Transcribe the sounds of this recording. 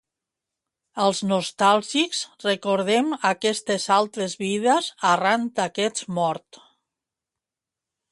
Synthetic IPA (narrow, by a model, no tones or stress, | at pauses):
əlˠznust̪alˠʒikzrekoɾðemakɛst̪ezalˠt̪ɾezβiðəzarant̪akɛt͡smɔɾt̪